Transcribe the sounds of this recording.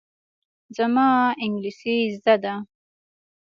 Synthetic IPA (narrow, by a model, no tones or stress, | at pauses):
zamɑɪŋɡlisizd̪ad̪a